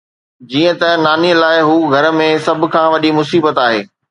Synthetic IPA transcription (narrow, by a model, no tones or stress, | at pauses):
d͡ʑiːə̃t̪ɐnaːniəlaːɪɦuːɡʱɐɾə̆mẽsɐbʱʊ̆kʰãːʋɐɗimʊsiːbət̪aːɦeː